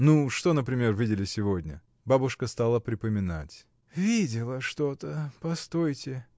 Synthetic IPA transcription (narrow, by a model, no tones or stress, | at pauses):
nuʂt̪o̞nəpɾʲɪmʲe̞rvʲidʲɪlʲɪsʲɪvo̞dʲnʲə̰ | babʊʂkəst̪alˠəpɾʲɪpəmʲɪna̰tʲ | vʲidʲɪlˠəʂt̪o̞t̪əpɐst̪ojtʲɪ